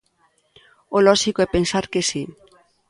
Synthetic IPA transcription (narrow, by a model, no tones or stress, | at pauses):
olɔʃikoɛpensaɾkesi